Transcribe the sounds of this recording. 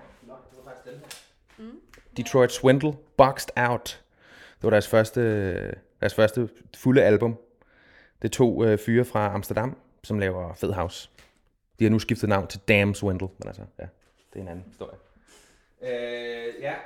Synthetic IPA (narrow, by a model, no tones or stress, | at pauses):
d̥it͡sʰʁɔɪd̥swend̥l̩ˠb̥ɒɡ̥sd̥äʊd̥ | d̥eʋɑ̈ɾ̥æɐsfɶɐsd̥əd̥æɐsfɶɐsd̥ə | fuləælb̥ɔ̽m | d̥e̝t͡sʰo̝̰ːøfyːɐfʁɑ̈ɑ̈msd̥ɐd̥ɑ̈m̰ | sɒ̽mlɛːʊɐfeðˠɦɑ̈ʊs | d̥ihɑ̈nusɡ̥ifd̥ð̩nɑ̈ʊ̰nt͡sʰe̝ld̥æmswend̥l̩menʔæ̰lsəjæ | d̥e̝e̝nænn̩hisd̥o̝ɐ̰jə | øj